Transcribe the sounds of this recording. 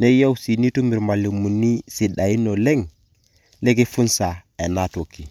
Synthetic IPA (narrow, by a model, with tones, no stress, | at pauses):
ne˦ja˦wsi˨ni˦tu˦mi˨ɾma˨lo˨mu˨ni˦si˨ɗa˨i˦no˨le˦ŋ | le˦ɡi˦fu˦nsa˨e˨na˦to˨kːi˨